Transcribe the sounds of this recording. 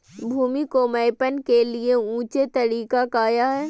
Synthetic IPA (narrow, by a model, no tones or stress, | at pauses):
bʱuːmikomɐːpənkelieũːt͡ʃet̪ɐɾiːkakaːjaɦɛː